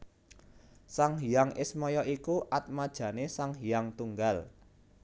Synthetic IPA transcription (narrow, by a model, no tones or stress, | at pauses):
saŋɦijaŋɪsmɔjɔʔikuʔat̪̚mad̥ʒ̥ä̤nesaŋɦijaŋt̪uŋɡal